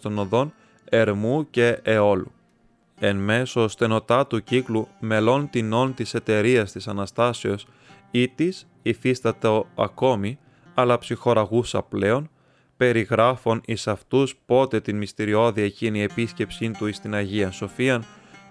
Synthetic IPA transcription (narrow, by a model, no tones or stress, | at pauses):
t̪o̞noðo̞n | e̞ɾmuce̞ːo̞lu | e̞nme̞so̞st̪eno̞t̪ɐt̪uciklume̞lo̞nt̪ino̞nt̪ise̞t̪e̞ɾiɐst̪isɐnɐst̪ɐseo̞s | it̪is | ifist̪ɐt̪eoɐ̰ko̞mi | ɐlɐpsixo̞ɾɐɣusɐple̞o̞n | pe̞ɾiɣɾɐfo̞nisɐft̪uspo̞t̪e̞t̪inmist̪iɾio̞ðiecinie̞pisce̞psint̪uist̪inɐʝiɐnso̞fiɐn